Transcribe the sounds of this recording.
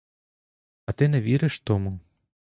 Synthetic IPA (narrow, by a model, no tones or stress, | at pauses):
ɐt̪ɨnɐvʲiɾɨʂt̪ɔmɨ